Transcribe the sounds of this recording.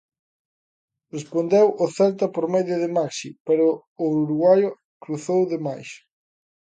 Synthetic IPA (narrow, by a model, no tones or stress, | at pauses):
respond̪ewʔʊθɛlt̪ɐpoɾmeðjʊðemaksipeɾʊː | uɾuɣwajo | kɾuθowðemajs